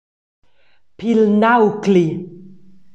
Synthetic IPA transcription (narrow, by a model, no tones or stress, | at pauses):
pilnawkli